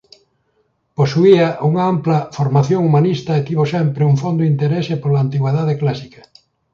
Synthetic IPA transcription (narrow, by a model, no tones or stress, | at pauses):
posuiɐʔuŋaamplɐfoɾmaθjoŋumanist̪ɐet̪iβ̞osɛmpɾɪuŋfond̪oint̪eɾesepolaːnt̪iɣweðaðeklasikɐ